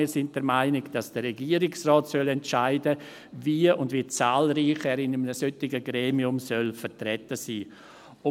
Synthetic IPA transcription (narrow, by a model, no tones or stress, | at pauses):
esɪnt̚d̥əɾmaɪnɪɡd̥ɑsd̥əːɛɡiːəɾɪksrɔːtsœlɛnt͡ʃaɪdə | viːəʊndviːt͡saːlɾiːχɛːɾɪnəmnəsøtɪɡəɡɾeːmiʊmsœlfətɾɛtəsiː | ʊ